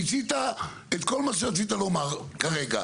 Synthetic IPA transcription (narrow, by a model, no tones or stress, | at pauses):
it͡sit̪a | et̪kolmaʃ̬eʁat͡sit̪̬alomaʁkaʁeɡa̰